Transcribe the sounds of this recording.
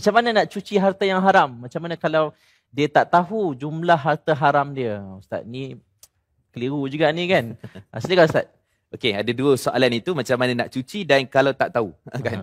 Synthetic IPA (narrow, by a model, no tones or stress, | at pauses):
mat͡ʃamːanənaʔt͡ʃut͡ʃiɦart̪ajaŋɦaɾamːat͡ʃamanəkalaw | diət̪aʔt̪aɦud͡ʒumlahɦart̪əɦaɾamdiəaust̪a̰t̪̚ni | kəliɾud͡ʒuɡaʔnĩkana̰snəkalast̪at̪̚ | okeadaduəsoʔa̰lanit̪umat͡ʃamːanana̰ʔt͡ʃut͡ʃidankalawt̪aʔt̪aɦuəkan